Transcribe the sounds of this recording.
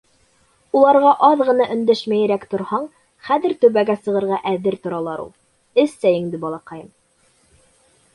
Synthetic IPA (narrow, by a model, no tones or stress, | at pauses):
ulˠɑɾʁɑʔɑðʁɤ̆nɑʔɵ̆nd̪æʃmæjɘ̆ɾækt̪ŏɾhɑɴ | χæðɘ̆ɾt̪ɵ̆βæɡæsɤ̆ʁɤ̆ɾʁɑʔæðɘɾt̪ŏɾɑlˠɑɾṵlˠ | ɘsːæjɘ̆ŋd̪ɘbɑlˠɑqɑjɤm